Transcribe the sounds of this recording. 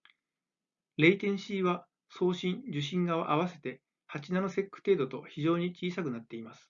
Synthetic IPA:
ɾe̞it̪ẽ̞ɰ̃ɕiːβa | so̞ːɕĩɲd͡ʑɨɕ̬ĩŋɡaβa̰ʔaβ̞ase̞t̪e̞ | hat͡ɕinanose̞kːɯ̥t̪e̞ːd̪o̞t̪o̞çiʑo̞ːɲ̟it͡ɕiːsakɯ̟nat̪ːe̞imasɨ̥

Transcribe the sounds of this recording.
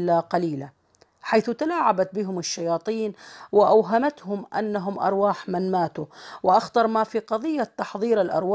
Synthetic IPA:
lːaqɑliːla | ħajθʊt̪alaːʕabat̪̚bɪɦʊmɪʃːajɑːt̪ˤiːnwɪʔawɦamat̪hʊmʔanːaɦʊmʔɑ̰ɾˤwaːħmɪnmaːt̪uwɪʔaxt̪ɑɾˤmafiːqɑðˤɨjːat̪ːɑħðˤiːɾɪlʔɑ̰ɾˤwaː

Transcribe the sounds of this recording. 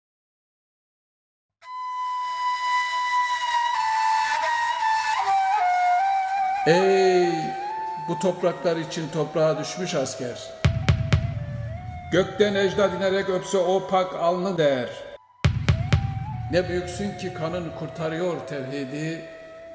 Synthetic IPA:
ɛj | but̪ʰo̞pɾaklˠaɾɯit͡ʃʰint̪ʰo̞pɾaːad̪yʃmyʃascʰæɾ̥ | ɟ̥øct̪ænɛʒd̪ad̪ineɾɛcøpsɛopʰakʰalˠnɯd̪ejæɾ | nɛbyjycsyɲcʰikʰanɯnkʰuɾt̪ʰaɾɯjo̞ɾt̪ʰɛɾɦid̪i

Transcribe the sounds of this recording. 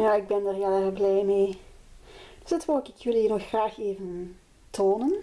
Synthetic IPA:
jaːɪɡ̚bɛndarjɛlˠɛvəblɛjmeː | d̥øsd̥ɑtʋɔːkɪkwɪlˠiːrnɔxːraːxeːvən | tʰoːnən

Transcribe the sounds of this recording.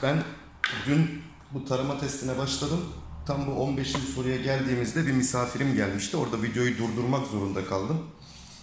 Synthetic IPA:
bæn | d̪yn | but̪ʰaɾamat̪ʰɛst̪ʰinɛbaʃlˠad̪ɯmt̪ʰambuo̞nbeʃinʲso̞ɾujaɟælʲd̪iːmizd̪ɛbimisaːfiɾimɟælʲmiʃt̪io̞ɾd̪avid̪jo̞jud̪uɾd̪uɾmakzo̞ɾund̪akʰalˠd̪ɯm

